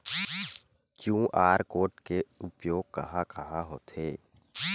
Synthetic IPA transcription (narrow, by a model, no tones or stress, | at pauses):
kjũːʔaːɾkoːʈkeʊpjoːɡ̚kɐɦakɐɦaɦoːt̪ʰeː